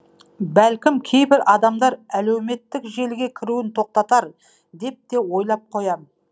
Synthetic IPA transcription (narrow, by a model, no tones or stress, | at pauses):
bælkʲɪmkʲʰe̞jbɪɾʔɑd̪ɑmd̪ɑɾælewme̞t̪ːɪkʒe̞lɡʲe̞kʲʰɪɾuwɪnt̪ʰo̞q̚t̪ɑt̪ɑɾ | d̪e̞p̚t̪e̞wo̞jlˠɑp̚qʰo̞jɑm